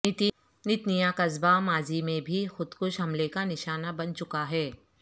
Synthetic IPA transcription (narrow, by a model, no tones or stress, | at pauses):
t̪ | nɪt̪nijakɐzbamaːzimẽbʱixʊd̪kʊʃɦɐmlekanɪʃaːnabɐnt͡ʃʊkaɦɛː